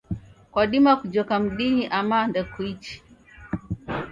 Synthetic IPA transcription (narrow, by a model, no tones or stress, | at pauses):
kwaɗimakud͡ʒɔkam̩ɗiɲiʔamandɛkuit͡ʃi̥